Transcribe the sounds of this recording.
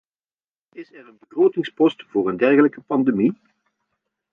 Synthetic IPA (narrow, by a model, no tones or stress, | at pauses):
ɪsɛrənbəɣroːtɪŋspɔstv̥ʊːɾəndɛrɣələkəpɑndemi